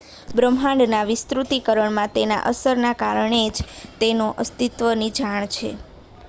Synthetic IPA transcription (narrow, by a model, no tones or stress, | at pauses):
bɾəmɦãɳɖnaʋɪst̪ɾut̪ikəɾəɳmãt̪ena̰ʔəsəɾnakaɾəɳed͡ʒt̪enoʔəst̪it̪ʋənid͡ʒaɳ̃t͡ʃʰḛ